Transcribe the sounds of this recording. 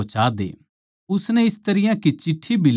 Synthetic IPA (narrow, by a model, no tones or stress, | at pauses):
t͡ʃaːd̪ḛː | ʊsnɛɪst̪ɐɾɪjãkit͡ʃɪʈʰːibʱil